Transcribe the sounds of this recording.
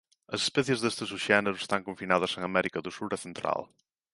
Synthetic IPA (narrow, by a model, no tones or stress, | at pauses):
ɐse̥spɛθjezðest̪esuʒɛneɾue̥st̪aŋkoɱfinað̞ɐseŋɐmɛɾikɐðusuɾɐθent̪ɾa̰l